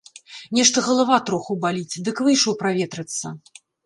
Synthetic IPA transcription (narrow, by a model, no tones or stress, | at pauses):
nʲɛʂt̪ɐɣɐlˠavat̪ɾɔxubalʲit͡sʲd̪ɨkvɨjʂɔwpɾavʲɛt̪ɾɨt̪sːɐ